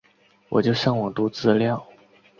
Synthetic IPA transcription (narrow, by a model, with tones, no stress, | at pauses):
wɔ̰˨˩t͡ɕjo˥˧ʊɕjɑ˥˩ŋwɔ˨˩t̪u˧˥t͡sɹ̩˥ljɑ˥˩ʊ